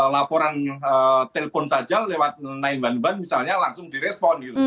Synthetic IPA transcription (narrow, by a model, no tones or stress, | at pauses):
lapoɾanət̪elefonsad̥d͡ʒ̥alːewat̪̚naɪnbanbanmisalɲalaŋsʊŋd̪iɾɛspɔnɡit̪u